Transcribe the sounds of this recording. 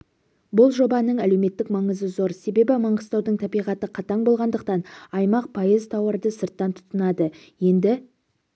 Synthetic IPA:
bʊlˠʒo̞bɑnəɴæle̞wme̞t̪ːɪkmɑɴəzəzo̞ɾse̞be̞bɪmɑɴəst̪ɑwd̪əɴt̪ʰɑbijʁɑt̪əqʰɑt̪ɑɴbo̞lˠʁɑnd̪əq̚t̪ɑnɑjmɑq̚pʰojəzt̪ʰɑwəɾd̪əsəɾt̪ːɑnt̪ʰʊ̥t̪ənɑd̪ə | je̞nd̪ɪ

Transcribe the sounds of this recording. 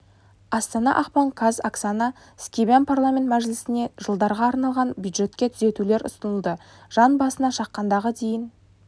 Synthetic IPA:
ɑst̪ɑnɑ̰ʔɑqpɑŋkʰazaksanɑ | skʲibanpʰarlˠamʲe̞nt̪mæʒlɪsɪne̞ʒəlˠd̪ɑɾʁɑːɾnɑlˠʁɑnbjud̪ʒe̞t̪kʲet̪ʰʏze̞t̪ule̞ɾʊ̰st̪ənəlˠd̪ə | ʒ̥ɑnbɑsənɑʃɑqːɑnd̪ɑʁəd̪e̞jɪn

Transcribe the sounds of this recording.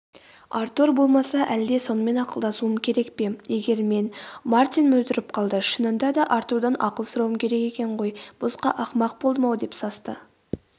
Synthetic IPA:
ɑɾt̪uɾbo̞lˠmɑsɑʔæld̪e̞so̞nəme̞nɑqəlˠd̪ɑsuəmkʲʰe̞ɾe̞kpe̞je̞ɡʲe̞ɾme̞nmaɾt̪ijnmɵzt̪ɪɾɪp̚qʰɑlˠd̪əʃənənd̪ɑd̪ɑʔɑɾt̪uɾd̪ɑnʔɑqəlˠsʊɾɑwəmkʲʰe̞ɾe̞ke̞kʲe̞ɴʁo̞jb̥ʊsqɑʔɑqmɑq̚bolˠd̪əmɑwd̪e̞psɑst̪ə

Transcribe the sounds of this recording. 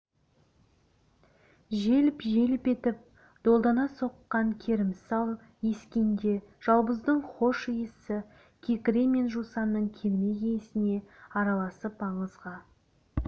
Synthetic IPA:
ʒe̞lɪpʒe̞lɪpe̞t̪ɪp̚ | d̪̥o̞lˠd̪ɑnɑso̞qːɑŋkʲʰe̞ɾɪmsɑlˠ | je̞skʲe̞nd̪e̞ʒ̥ɑlˠbəzd̪əɴχo̞ʃijəsɪ | kʲʰe̞kʲɾe̞me̞nʒusɑnːəɴkʲʰeɾme̞ɡʲejsɪne̞ɑɾɑlˠɑsəpɑɴəzʁɑ

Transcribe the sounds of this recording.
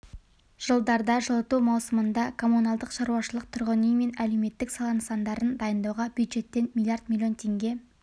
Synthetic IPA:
ʒ̥əlˠd̪ɑɾd̪ɑʒəlˠət̪umɑwsəmənd̪ɑkʰo̞munɑlˠd̪əqʃɑɾuɑʃəlˠəq̚t̪ʰʊɾʁənijme̞næle̞wme̞t̪ːɪksɑlˠɑnəsɑnd̪ɑɾənd̪ɑjənd̪ɑwʁɑbʲjud̪ʒe̞t̪ːe̞nmʲilʲˠjaɾd̪mʲilʲjo̞nt̪ʰe̞ŋɡʲe̞

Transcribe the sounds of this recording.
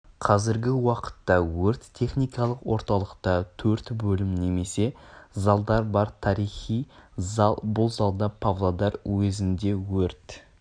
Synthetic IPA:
qʰɑzɪɾɡʲɪwɑqə̥t̪ːɑwɵɾt̪ʰːe̞χnijkɑlˠəqwo̞ɾt̪ɑlˠəqt̪ɑt̪ʰɵɾt̪bɵlɪmne̞me̞se̞zɑlˠd̪ɑɾbɑɾt̪ʰɑɾijχijzɑlˠbʊlˠzɑlˠd̪ɑpʰavlˠad̪ɑɾwɵzɪnd̪e̞wɵɾt̪

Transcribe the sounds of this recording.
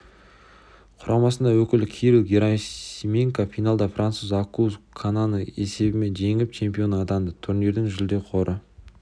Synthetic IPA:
qʰʊɾɑmɑsənd̪ɑwɵkʲɪlkʲʰiɾɪɡʲeɾamʲeŋkafijnalˠd̪ɑfrʔant̪suzakuzkʰananəe̞se̞bɪme̞nʒe̞ŋɪɪp̚t͡ʃʰe̞mpio̞nɑd̪ɑnd̪ət̪ʰʊɾne̞ɾd̪ɪŋʒʏld̪e̞qʰo̞ɾʔə

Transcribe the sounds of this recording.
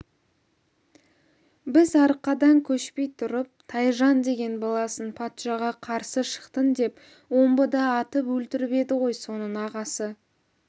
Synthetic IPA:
bɪzɑɾəqːɑd̪ɑŋkʲʰɵʃpe̞jt̪ʰʊɾəp̚t̪ʰɑjʒɑnd̪e̞ɡʲe̞nbɑlˠɑsənpʰɑt̪ʃɑʁɑqʰɑɾsəʃə̥qt̪ənd̪e̞p | wo̞mbəd̪ɑːt̪əpwɵlt̪ɪɾbe̞d̪ɪʁo̞jso̞nəɴɑʁɑsə

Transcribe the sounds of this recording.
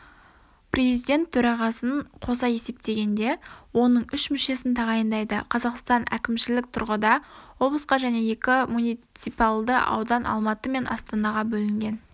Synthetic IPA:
pre̞zijd̪ʲe̞nt̪ʰːɵɾɑʁɑsənqʰo̞sɑje̞se̞p̚t̪e̞ɡʲe̞nd̪e̞wo̞nəɴʏʃmʏʃe̞sɪnt̪ʰɑʁɑjənd̪ɑjd̪əqʰɑzɑqst̪ɑnʔæ̰kʲɪmʃɪlɪk̚t̪ʰʊɾʁəd̪ɑwo̞blˠəsqɑʒæne̞je̞kʲɪmunijt̪sijpɑlˠd̪əʔɑ̰wd̪ɑnʔɑ̰lˠmɑt̪əme̞nɑ̰st̪ɑnɑʁɑbɵlɪŋɡʲe̞n

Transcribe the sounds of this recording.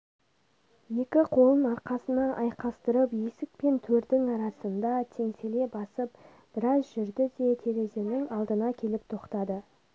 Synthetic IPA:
je̞kʲɪqʰo̞lˠənɑɾqɑsənɑʔɑjqɑst̪əɾəpje̞sɪk̚pe̞nt̪ʰɵɾd̪ɪŋɑɾɑsənd̪ɑt̪ʰe̞ŋse̞le̞bɑsəp̚ | b̥ɪɾɑzʒʏɾd̪ɪd̪e̞t̪ʰe̞ɾe̞ze̞ɾnɪŋɑlˠd̪ənɑkʲʰe̞lɪp̚t̪ʰo̞qt̪ɑd̪ə

